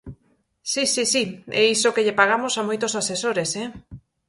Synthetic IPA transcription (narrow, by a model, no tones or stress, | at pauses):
sisisiɛisokeʎepaɣ̞amosamojt̪osasesoɾesɛ